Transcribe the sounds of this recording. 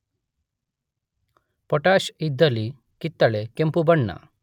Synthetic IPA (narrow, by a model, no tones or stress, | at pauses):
pɔʈaʃid̪əli | kit̪ːaɭekempubəɳːa̰